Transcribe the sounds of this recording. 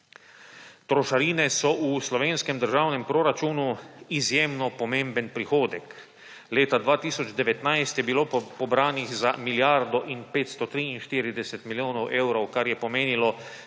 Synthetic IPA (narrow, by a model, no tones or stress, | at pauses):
t̪ɾɔʃaɾiːnɛsɔʔuslɔʋeːnskɛmd̪əɾʒaːwnɛmpɾoːɾat͡ʃuːnuizjeːmnɔpɔmẽmbənpɾixoːd̪ɛk | leːt̪ad̪ʋaːt̪iːsɔd͡ʒd̪ɛʋɛt̪najst̪jɛbiloːpɔbɾaːnixzamiljaɾd̪ɔʔinpeːt̪st̪ɔt̪ɾiinʃt̪iːɾid̪ɛsɛt̪miljoːnɔwʔeːwɾɔwkaɾjɛpɔmeːnilɔ